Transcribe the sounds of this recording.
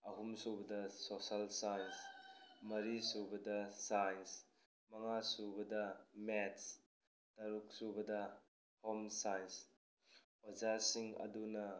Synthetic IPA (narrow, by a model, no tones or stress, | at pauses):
ɐɦumsubɐdɐsosalsajnsmɐɾisubɐdɐsajns | mɐŋasubɐdɐmets | tɐɾuk̚subɐdɐ | homsajns | od͡ʒasiŋɐ̰dunɐ